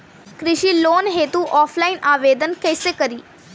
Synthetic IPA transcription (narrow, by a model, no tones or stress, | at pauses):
kɾɪʃiːloːnɦeːt̪uʔɔːpʰlaːɪnʔaːʋeːd̪ənkɛːseːkəɾiː